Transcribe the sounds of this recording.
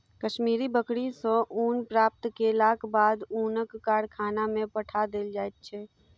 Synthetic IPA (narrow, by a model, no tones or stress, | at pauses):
kəʃmiːɾibəkɽisõʔuːnpɾaːp̚t̪kelaːkbaːd̪uːnəkːaːɽkʰaːnamẽpəʈʰad̪eld͡ʒaːet̪̚t͡ʃʰɛː